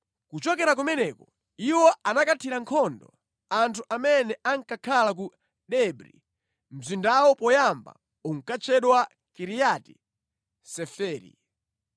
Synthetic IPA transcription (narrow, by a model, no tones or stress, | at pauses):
kut͡ʃɔkɛɾak̬umɛnɛkɔ | iwɔʔanakatʰiɾaŋkʰɔndɔ̰ | antʰuʔamɛnɛʔaŋkakʰalak̬u | ɗɛbɾḭ | m̩zindawɔpɔjamba̰ | uŋ̩kat͡ʃʰɛɗwa | kiɾijati̥̰ | sɛfɛːɾḭ